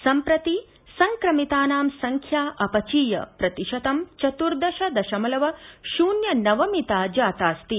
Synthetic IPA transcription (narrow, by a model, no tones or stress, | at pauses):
sɐmpɾɐt̪i | sɐŋkɾɐmit̪aːnaːmsɐŋkʰjaːʔɐpɐt͡ʃiːjɐ̰pɾɐt̪iʃɐt̪ɐmt͡ʃɐt̪uɾd̪ɐʃɐd̪ɐʃɐmɐlɐʋɐʃuːnjɐnɐʋɐmit̪aːd͡ʒaːt̪aːst̪i